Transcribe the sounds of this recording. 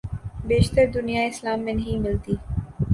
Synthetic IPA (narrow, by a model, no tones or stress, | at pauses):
beːʃt̪əɾd̪ʊnijaɪslaːmːẽnɐɦĩmɪlt̪iː